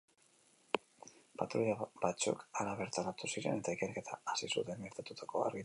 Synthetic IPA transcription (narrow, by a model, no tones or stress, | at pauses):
pat̪ɾuʎabat͡sṵkaɾaβe̞ɾt̪aɾat̪usiɾe̞̰ne̞t̪aike̞ɾke̞t̪ʰaːsisut̪e̞ŋɡeɾt̪at̪ut̪ako̞a̰ɾɣi